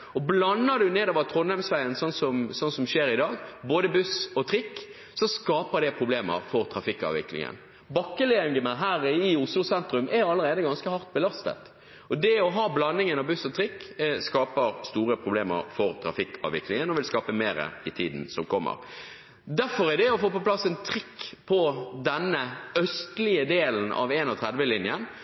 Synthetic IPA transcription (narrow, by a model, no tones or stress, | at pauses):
ɔblɑnːəd̪ʉneːd̪oːʋət̪ʰʁɔnːæmsʋæɪənsɔnsɔmsɔnsɔmʃeːɾɪd̪ɑːɡboːd̪əbʉsɔt̪ʰɾɪkː | sɔskɑːpəʁd̪ɛpʰʁʊbleːmə̰ʁfɔʁt̪ʰɾɑfɪkːɑ̰ːʋɪ̰klɪ̰ŋə̰n | bɑkːəlɛŋɡənəɦæːɾəɪʊslʊsɛnt̪ɾʉmʔɛjɑlːəɾeːd̪əɡɑnskəhɑʁt̪̚bəlɑst̪ə̰t̪ | ɔd̪ɛɔɦɑːblɑnːɪŋənɑʋbʉsɔt̪ʰɾɪkːskɑːpəɾst̪uːɾəpʰɾʊbleːmə̰ɾfɔɾt̪ʰɾɑ̰fɪkːɑ̰ːʋɪklɪŋənɔʋɪlskɑːpəmeːɾə̰ɪt̪ʰiːd̪n̩sɔmkʰɔmːə̰ɾ | d̪æɾfɔʁɛd̪ɛɔfoːpɔplɑsːɛnt̪ʰɾɪkːpʰɔd̪ɛnːəœst̪lɪəd̪eːln̩ɑ̰ʋɛːnɔt̪ʰɾɛd̪ʋəlɪnjən